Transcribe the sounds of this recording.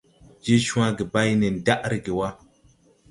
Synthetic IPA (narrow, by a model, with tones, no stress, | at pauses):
d͡ʒe˦ʃũ˦a˦ɡe˨ba˦jne˨n˨da˦ʔɾi˨ɡe˨wa˦